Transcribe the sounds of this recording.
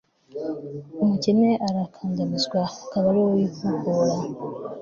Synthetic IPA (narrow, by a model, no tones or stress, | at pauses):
omucineʔaɾakʰaːɲɟamizwakaβalowikukola